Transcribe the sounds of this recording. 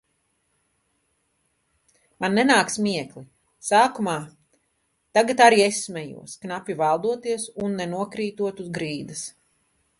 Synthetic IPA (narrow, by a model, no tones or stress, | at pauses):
manːɛnaːksmiɛkli | saːkumaː | t̪aɡat̪aɾiɛsmʲɛjṵɔsknapʲivalˠd̪uɔt̪iɛsunːɛnuɔkɾiːt̪uɔt̪uzɡɾiːd̪ɐs